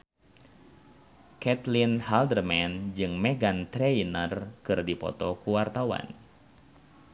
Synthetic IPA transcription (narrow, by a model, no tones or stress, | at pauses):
kɛt̪linhaldərmɛnd͡ʒɨŋmɛɡant̪ɾɛinərkɨrdipɔ̰t̪ɔkuwart̪awa̰n